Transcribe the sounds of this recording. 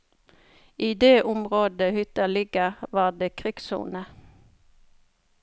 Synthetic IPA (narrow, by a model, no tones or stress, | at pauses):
ʔiːd̪eːʔʊmʁoːd̪əhʏt̪əlɪɡəʁʋɑːd̪eːkʰʁɪksṵːnə